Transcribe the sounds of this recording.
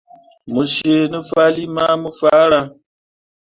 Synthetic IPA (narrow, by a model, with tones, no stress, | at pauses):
mu˨ʃe˨nɨ˦fa˦li˦ma˦mə˦fa˨˦ɾa˧